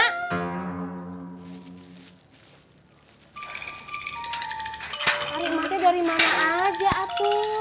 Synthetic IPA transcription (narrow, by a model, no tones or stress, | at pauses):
aɾiʔmak̪ɛdaɾimanaʔad͡ʒaʔat̪u